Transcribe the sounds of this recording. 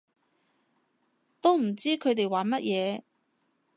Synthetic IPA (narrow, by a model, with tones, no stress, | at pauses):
t̪o˥wm̩˨˩t͡siː˥kʰɵ˨˧ɥt̪e˨jwaː˨˥nmɐ˥t̚jʔɛː˨˧